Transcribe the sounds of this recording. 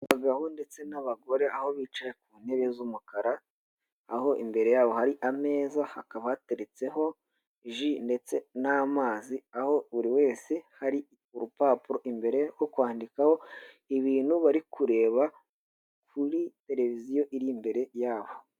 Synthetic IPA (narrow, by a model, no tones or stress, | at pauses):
ɡaɡaho̞nde̞t͡se̞naβaɡo̞ɾe̞ʔaho̞βiːt͡ʃajek̚uːneɾezumukaɾaː | ho̞ʔḭmbe̞ɾe̞jaːβo̞haɾiʔame̞ːzahakaβaateɾet͡se̞ɦo̞ | ʒinde̞t͡se̞naːmaːziaho̞βuɾiwe̞ːse̞haɾi | uɾupaːpuɾo̞ʔimbe̞ɾe̞jo̞kwaːndikaho̞ | iβiːn̥huβaɾikʰuɾe̞ːβa | kʰuɾite̞ɾe̞vizijo̞ʔiɾimbe̞ɾe̞jaːβo̞